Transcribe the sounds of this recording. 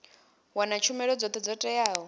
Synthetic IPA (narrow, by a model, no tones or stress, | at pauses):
wanat͡ʃʰumɛɺɔd͡zɔt̪ʰɛd͡zɔtʼɛjaːɦɔ